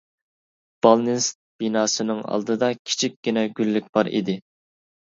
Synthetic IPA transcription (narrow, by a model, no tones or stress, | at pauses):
b̥ɑlˠnɪst̪̚b̥inɑːsɨnɨŋɑ̰lˠd̪ɨd̪ɑkʲʰi̥t͡ʃʰikʲɡʲinɛɡʲylːyk̚ʲbɑɾḭd̪ɪ